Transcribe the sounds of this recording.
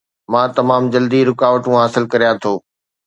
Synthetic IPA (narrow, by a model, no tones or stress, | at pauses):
mãːt̪ɐmaːmd͡ʑɐld̪iɾʊkaːʋəʈũɦaːsɪlkɐɾijãt̪ʰoː